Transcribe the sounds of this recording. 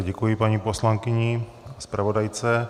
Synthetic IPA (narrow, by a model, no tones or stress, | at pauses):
ɟɛkujɪpaɲipo̞slaŋkɪɲɪ | spɾavo̞dajt͡sɛ